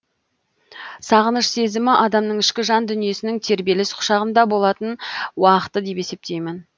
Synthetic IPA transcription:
sɑʁənəʃse̞zɪmɪʔɑd̪ɑmnəɴɪʃkʲɪʒɑnd̪ʏnije̞sɪnɪŋt̪ʰe̞ɾbe̞lɪsqʰʊ̥ʃɑʁəmnd̪ɑbo̞lˠɑt̪ənwɑqə̥t̪ːəd̪e̞pe̞se̞p̚t̪e̞jmɪn

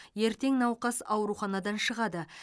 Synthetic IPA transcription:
je̞ɾt̪e̞ŋnɑwqɑsɑwɾuχɑnɑd̪ɑnʃəʁɑd̪ə

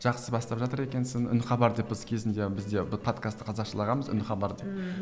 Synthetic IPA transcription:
ʒ̥ɑqsəbɑst̪ɑpʒɑt̪əɾe̞kʲe̞nsɪŋʏ̰nχɑbɑɾd̪e̞p̚bɪzkʲʰe̞zɪnd̪e̞bɪzd̪e̞bʊpʰo̞t̪kʰast̪ːə̥qʰɑzɑqʃəlˠɑʁɑnməzʏ̰nχɑbɑɾd̪e̞p̚

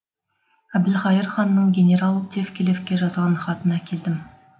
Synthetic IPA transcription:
æbd̪ɪlχɑjəɾχɑnːəɴɡʲenʲe̞ɾalˠd̪ʲe̞fkʲelefkʲe̞ʒɑzʁɑnχɑt̪ənɑkʲʰe̞ld̪ɪm

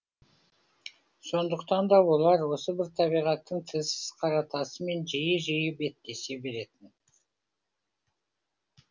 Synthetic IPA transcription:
so̞nd̪əqt̪ɑnd̪ɑwo̞lˠɑɾwo̞səbɪɾt̪ʰɑβijʁɑt̪ːəɴt̪ʰəzsɪz̥qʰɑɾɑt̪ɑsəme̞nʒijəʒijɪbe̞t̪ːe̞se̞be̞ɾe̞t̪ɪn

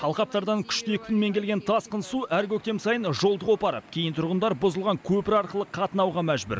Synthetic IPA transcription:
ɑlˠqɑp̚t̪ɑɾd̪ɑŋkʲʰʏ̥ʃt̪ekʲʰɪnme̞ŋkʲelɡʲe̞nt̪ʰɑsqənsuʔæɾkʲʰɵk̚t̪e̞msɑjənʒo̞lˠd̪əʁwo̞pɑɾə̰pkʲʰe̞jɪnt̪ʰʊɾʁənd̪ɑɾbʊzəlˠʁɑŋkʲʰɵpɪɾɑɾqəlˠəqʰːɑt̪ənɑwʁɑmæʒbʏ̰ɾ

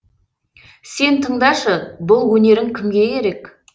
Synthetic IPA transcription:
se̞nt̪ʰəɴd̪ɑʃəbʊlˠwɵne̞ɾɪŋkʲʰɪmɡʲe̞kʰʲe̞ɾe̞k

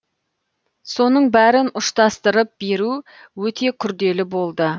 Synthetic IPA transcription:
so̞nəɴbæɾɪnʊʃt̪ɑst̪əɾəp̚be̞ɾu | wɵt̪ʰe̞kʲʰʏɾd̪e̞lɪbo̞lˠd̪ə

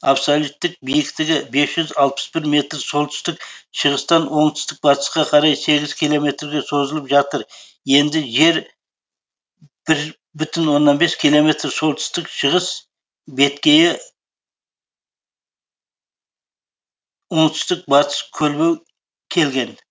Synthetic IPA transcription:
apsolʲˠut̪ːɪk̚bijɪkt̪ɪɡʲɪbe̞sʒʏzɑlˠpə̥sbɪɾme̞t̪ɾso̞lˠt̪ʰʏ̥st̪ɪk̚ʃəʁəst̪ɑnwʔo̞ɴt̪ʰʏ̥st̪ɪk̚bɑt̪ə̥sqɑqʰɑɾɑjse̞ɡʲɪzkʲʰijlˠo̞me̞t̪ɾɡʲe̞so̞zəlˠəpʒɑt̪əɾ | je̞nd̪ɪʒe̞ɾ | b̥ɪɾ | bʏt̪ɪnwo̞nːɑnbe̞skʲʰijlˠo̞me̞t̪ɾso̞lˠt̪ʰʏ̥st̪ɪkʃəʁəs | be̞t̪kʲe̞jɪ | wo̞ɴt̪ʰʏ̥st̪ɪk̚bɑt̪ə̥skʲʰɵlbew | kʲʰe̞lɡʲe̞n

